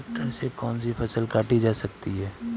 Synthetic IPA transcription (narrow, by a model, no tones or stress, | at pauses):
k̚ʈəɾsekɔːnsipʰɐsəlkaːʈid͡ʒaːsɐkt̪iɦɛː